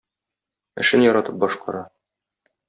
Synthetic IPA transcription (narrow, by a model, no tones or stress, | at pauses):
ɘ̆ʃɘnjɒɾɑt̪ɤp̚bɒʃqɑɾɑ